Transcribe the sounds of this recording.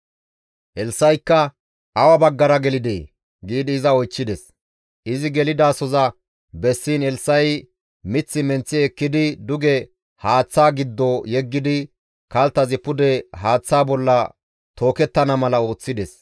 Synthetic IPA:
ɛlsːɐjkːɐ | ɐwɐbɐɡːɐɾɐɡɛlɪd̪ḛː | ɡiːd̪ɪːzɐɔjt͡ʃːɪd̪ɛs | ʔɪzɪɡɛlɪd̪aːsɔzɐ | bɛsːiːnhɛlsːɐj | mɪt͡sːɪmɛnt͡sːɪɛkːɪd̪ɪd̪ʊɡɛ | haːt͡sːaːɡɪd̪ːojɛɡːɪd̪ɪ | kɐlt̪ːɐzɪpʊd̪ɛɦaːt͡sːaːbɔlːɐ | t̪o̞ːkɛt̪ːɐnɐmɐlɐo̞ːt͡sːɪd̪ɛs

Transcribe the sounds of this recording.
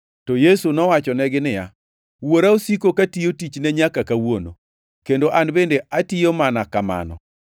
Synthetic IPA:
tɔjesunɔwat͡ʃɔnɛɡɪnɪja̰ | woɾaosikokatijotit͡ʃnɛɲakakawono̰ | kendoʔanbendeʔatijomanakama̰nɔ̰

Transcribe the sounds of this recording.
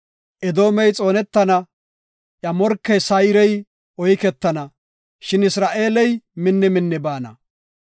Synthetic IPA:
ʔɛd̪o̞ːmɛjt͡sʼo̞ːnɛt̪ːɐnɐ | ʔjɐmɔɾkːɛjsɐjɾɛj | ʔɔjkɛt̪ːɐnɐ | ʃɪnɪsɾaːʔe̞ːlɛjmɪnːɛmɪnːɛbaːnɐ̰

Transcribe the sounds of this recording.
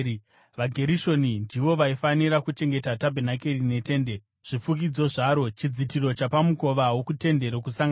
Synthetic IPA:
ʋaɡʱe̞ɾiʃo̞nindiʋo̞ʋaifaniɾakut͡ʃe̞ŋɡe̞tatabʱenakerine̞te̞ːnde | ʐ̥ifuk̬id͡zo̞ʐaɾo̞t͡ʃid͡zitiɾo̞t͡ʃapamuko̞ʋaɦwokute̞nde̞ɾokusaŋɡ

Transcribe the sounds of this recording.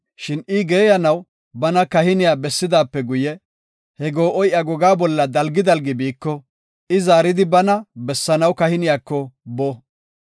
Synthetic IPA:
ʃɪnʔɪɡe̞ːjɐnɐw | bɐnɐkɐhɪnɪjaːbɛsːɪd̪aːpːɛɡʊjɛ | hɛɡoːʔɔjʔɐɡɔɡaːbɔlːɐd̪ɐlɡɪd̪ɐlɡɪbiːkːɔ | ɪzaːɾɪd̪ɪbɐnɐbɛsːɐnɐwkɐhɪnɪjaːkːɔbɔ

